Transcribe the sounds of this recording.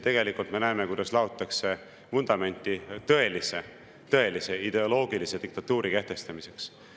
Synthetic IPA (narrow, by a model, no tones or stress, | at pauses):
t̪e̞ɡe̞likult̪me̞næeme̞kujd̪̥ɑslɑot̪ːˑɑkse̞ | mund̪̥ɑme̞nʲt̪ːˑit̪ɤ̞e̞lise̞ | t̪ɤe̞lise̞id̪̥e̞o̞lo̞ːɡilise̞d̪̥ik̚t̪ɑt̪ːuːɾike̞ht̪e̞st̪ɑmise̞ks